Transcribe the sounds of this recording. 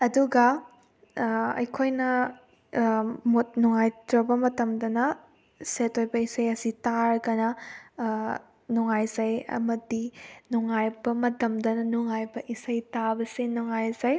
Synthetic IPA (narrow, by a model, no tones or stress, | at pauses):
ɐduɡɐ | ɐ̰jkʰojnɐ | mut̚nuŋajtɾɐbɐmɐtɐmdɐnɐ | setʰojbɐisɐjɐsitaɾɐɡɐnɐ | nuŋajzɐjɐ̰mɐdinuŋajbɐmɐtɐmdɐnɐnuŋajbɐʔisɐjtabɐsenuŋajzɐj